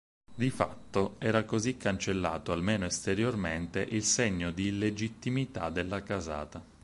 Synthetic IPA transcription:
d̪ifa̰t̪ːoɛːɾakozikːant͡ʃelːa̰ːt̪oalmeːnoest̪eɾjorment̪eʔilseɲːod̪ilːed͡ʒit̪ːimit̪ad̪elːakaza̰ːt̪a

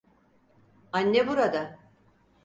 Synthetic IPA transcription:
anʲːebuɾad̪a

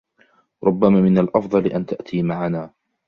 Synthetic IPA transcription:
ɾˤʊbːamaːmɪnalʔɑfd̪ˤɑlɪʔant̪aʔt̪ʰiːmaʕanaː

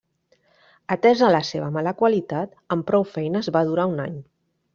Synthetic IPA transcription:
ət̪ɛzələseβ̞əmaləkwalit̪at̪ | əmpɾɔwfɛjnəːzβaðuɾauna̰ɲ

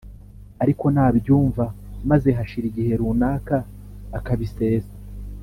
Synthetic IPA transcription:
aɾiko̞nhaːβjuːɱvamaze̞ɦaʃiɾiɡihe̞ɾuːnaːkaː | kaβise̞ːza

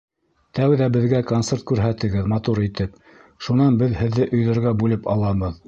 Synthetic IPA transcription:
t̪æwðæbɘ̆ðɡækont̪seɾt̪̚kʉɾɦæt̪ɘ̆ɡɘðmɑt̪uɾit̪ɘp̚ | ʃunɑnbɘðhɘ̆ðːɘʔɵ̆jðɤ̆ɾɣɑbʉlɘpɑlˠɑβɤð

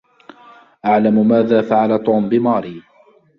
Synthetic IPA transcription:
ʔaʕlamʊmaːðaːfaʕalat̪ˤuːmbɪmɑːɾiː

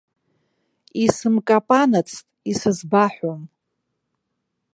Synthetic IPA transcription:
isɨmkʼapʼanat͡sʰtʼisɨzbaħʷom

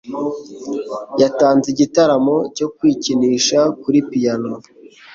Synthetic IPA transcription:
jataːnziɟitaɾamo̞co̞kwiːciniːʃakuɾipijano

